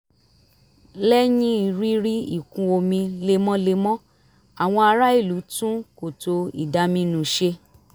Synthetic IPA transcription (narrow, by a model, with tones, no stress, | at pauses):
lɛ˦jĩ˦i˨ɾi˦ɾi˦i˦˨kũ˧o˧mĩ˧le˧mɔ̃˦le˧mɔ̃˦ | a˨w̃ɔ̃˧a˧ɾa˦i˦˨lu˨˦tũ˦ko˨to˧ḭ˨da˧mĩ˧nũ˨ʃe˧